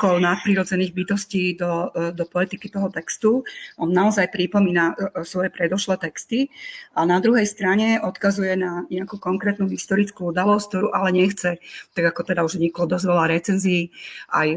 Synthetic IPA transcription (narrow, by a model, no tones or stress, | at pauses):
kɔʊnat̪̚pɾiɾɔd͡zɛniːɣbit̪ɔsciːd̪ɔd̪ɔpɔlɛt̪ikit̪ɔɦɔt̪ɛkst̪uʔɔnːaɔzajpɾipɔmiːnasʋɔjɛpɾɛd̪ɔʃlɛt̪ɛkst̪iʔanad̪ɾuɦɛjst̪ɾaɲɛɔt̪kazujɛnaɲɛakuːkɔŋkɾɛːt̪nuɦist̪ɔɾit͡skuud̪alɔsk̚t̪ɔɾuːʔalɛɲɛxt͡sɛt̪aɡakɔt̪ɛd̪auʒɲiklɔd̪ɔzʋɛlaɾɛt͡sɛnziːʔa̰j